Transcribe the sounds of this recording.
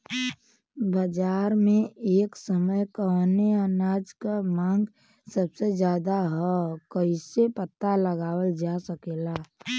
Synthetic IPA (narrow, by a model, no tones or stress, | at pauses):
bəd͡ʒaːɾmẽeːksəməjkəneənaːd͡ʒkamãːŋɡ | səbsed͡ʒjaːd̪aɦɔkəɪsepət̪ːaləɡaːwəld͡ʒasəkeːlaː